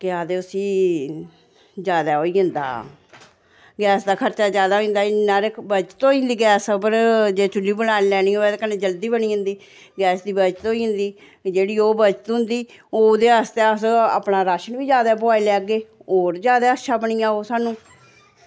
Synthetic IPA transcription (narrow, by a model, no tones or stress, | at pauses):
kɪaːd̪eːʊsĩː | d͡ʒjaːd̪aːɦoːiːɦʊ̃nd̪a̰ː | ɡɛːsd̪aːkʰəɾt͡ʃaːd͡ʒjaːd̪aːɦoĩnd̪aːɪnːãːɾebət͡ʃət̪oːind̪iːɡɛːsbəɾd͡ʒeːt͡ʃʊlːiːbəlaːnlɛːɽ̃iːoːɛːd̪ekəneːd͡ʒəld̪iːbəɳ̃iːɦʊ̃nd̪iː | ɡɛːsd̪iːbəd͡ʒt̪oːiːɦʊ̃nd̪iː | d͡ʒeːɽiːoːbət͡ʃət̪ɦʊ̃nd̪iːoːd̪eːəst̪eəsə̰ːpnaːɾaːʃənʋiːd͡ʒjaːd̪aːpʊaːeːlɛːɡeːoːɾd͡ʒjaːd̪aːətːʃʰaːbəɳiːaːoːsaːnũː